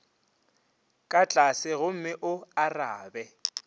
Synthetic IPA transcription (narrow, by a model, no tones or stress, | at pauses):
kʼat͡ɬʼasɪɣʊm̩mɪʔʊaraːbɛ